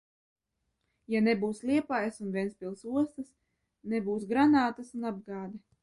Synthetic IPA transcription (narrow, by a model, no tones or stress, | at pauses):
janebuːslʲˠiɛpajsunvʲiɛnspʲilˠsuɔst̪ɐs | nɛbuːsɡɾanaːt̪asunab̚ɡaːd̪ɛ